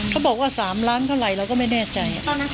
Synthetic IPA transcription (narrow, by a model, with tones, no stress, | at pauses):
kʰa˦˥wbɔː˨˩k̚waː˥˩saː˩˦mɾaː˦˥nk̪ʰa˥˩wɾa˧jɾaː˧˦˧wkɔː˥˩ma˥˩jnɛː˥˩t͡ɕa˧j